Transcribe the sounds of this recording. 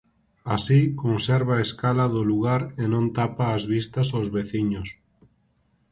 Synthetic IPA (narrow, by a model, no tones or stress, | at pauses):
asikonseɾβaeskalɐðʊluɣ̞aɾenõnt̪apaːzβist̪ɐsawzβeθiɲʊs